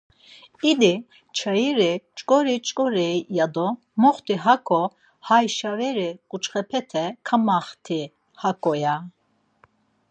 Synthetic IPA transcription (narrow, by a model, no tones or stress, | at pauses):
id̪i | t͡ʃʰajiɾit͡ʃʼkʼɔɾit͡ʃʼkʼɔɾɛijad̪ɔ | mɔχt̪ʰiɦakʰʼɔ | hajʃaɾɛɾikʼut͡ʃχɛpʰɛt̪ʰɛkʰamaχt̪ʰi | hakʼɔja